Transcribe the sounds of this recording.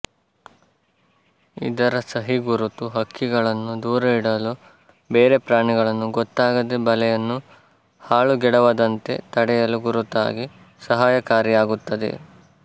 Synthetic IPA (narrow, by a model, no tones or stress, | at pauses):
ḭd̪ɐɾɐsɐɦiɡuɾut̪uɦɐkːiɡɐɭɐnːud̪uːɾɐiɽɐlu | beːɾe̞pɾaːɳiɡɐɭɐnːuɡɔt̪ːaːɡɐd̪ebɐlɛjɐnːu | haːɭuɡɛɽɐʋɐd̪ɐnt̪e̞̰t̪ɐɽɛjɐluɡuɾut̪a̰ːɡi | sɐɦaːjɐkaːɾijaːɡut̪ːɐd̪e̞̰